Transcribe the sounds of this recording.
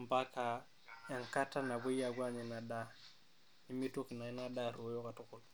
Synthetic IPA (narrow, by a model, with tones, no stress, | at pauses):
mba˦ka˨ | ja˨ŋka˦ta˦na˨bo˦ja˨ɡwa˦ɲi˨na˨da˦ | ɲi˦mi˦to˦ki˨na˨i˦na˦da˦ɾu˨˦jo˦ka˨tɔ˦kɔ˨l